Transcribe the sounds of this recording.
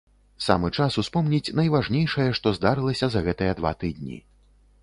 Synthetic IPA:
sa̰mɨt͡ʂasuspɔmnʲit͡sʲnɐjvaʐnʲejʂɐjɐʂt̪ɔzd̪aɾɨlˠɐsʲɐzɐɣɛt̪ɨjɛd̪va̰t̪ɨd̪̚ʲnʲḭ

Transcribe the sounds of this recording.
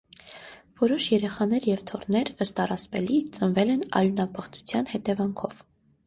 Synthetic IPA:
vɔɾɔʃjɛɾɛχɑnɛɾjɛvt̪ʰɔrnɛɾəst̪ɑrɑt͡spɛlit͡sənvɛlɛnɑ̰ɾjunɑpəχt͡su̥t͡sʰjɑn̪hɛt̪ɛvɑŋkʰɔv

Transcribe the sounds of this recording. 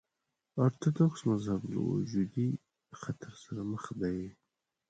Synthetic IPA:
aɾt̪ʰad̪oksmazhablə̰wṵd͡ʒud̪i | xat̪ʰaɾsaɾaməxd̪aj

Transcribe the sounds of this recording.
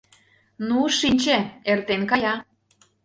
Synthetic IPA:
nuʃinʲt͡ɕeert̪enkɑjɑ

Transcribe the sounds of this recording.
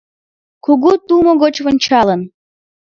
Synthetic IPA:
kuɣut̪umoɣot͡ɕβə̆nʲt͡ɕɑlən

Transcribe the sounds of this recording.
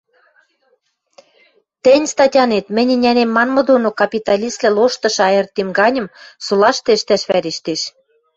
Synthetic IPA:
t̪ɘ̆nʲst̪ɑtʲɑnet̪mɘ̆nʲɘ̆nʲænemːɑnmɤ̆d̪onokɑpʲit̪ɑlʲislæloʃt̪ɤ̆ʃɑjĕrt̪emɡɑnʲɤ̆msulɑʃt̪eʃt̪æʃβæɾeʃt̪eʃ

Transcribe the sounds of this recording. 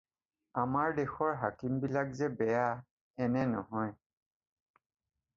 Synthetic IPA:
amaɹdexɔɹɦakimbilakzɛbɛja | ɛnɛnɔɦɔj

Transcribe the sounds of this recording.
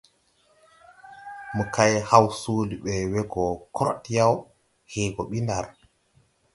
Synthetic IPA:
mukajhawsuːliɓɛwɛɡɔkʰɔɾɔ̰tjaw | hɛːɡɔɓindaɾ

